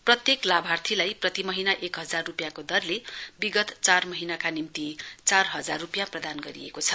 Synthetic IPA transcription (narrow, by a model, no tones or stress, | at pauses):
prʌt̪jeklabʱart̪ʰilajprʌt̪imʌɦinaʔekɦʌd͡zarːupjakod̪ʌrlebiɡʌt̪t͡sarmʌɦinakanimt̪it͡sarɦʌd͡zarːupjaprʌd̪anɡʌɾḭekot͡sʰʌ